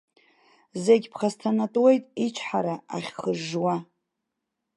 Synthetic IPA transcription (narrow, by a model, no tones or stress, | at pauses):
zeɡʲpʰχastʰanatʼwe̞jtʼit͡ʃʷʰħaɾaa̰χʲχəʒːwa